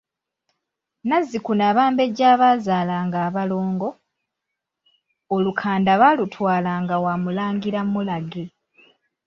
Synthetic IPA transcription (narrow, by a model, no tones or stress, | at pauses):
nazikunaːβaːmbe̞ɟaːβaːzaːlaːŋɡaːβalo̞ːŋɡo̞ | olukʰaːndaβalutʰwaːlaŋɡawamulaːŋɡiɾammulaɡe